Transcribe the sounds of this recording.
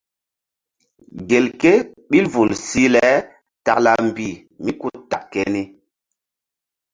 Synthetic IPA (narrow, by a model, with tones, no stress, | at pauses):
ɡe˨lke˦ɓi˦lvu˨lsi˦lɛ˨˦ | ta˨kla˨m˨bi˨ | mi˦ku˦ta˨kke˦ni˦